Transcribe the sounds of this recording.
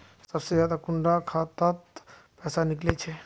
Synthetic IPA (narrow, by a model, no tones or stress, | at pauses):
səbsed͡ʒjaːd̪akuɳɖɾakʰat̪ət̪ | pɛsaniklet͡ʃʰɛ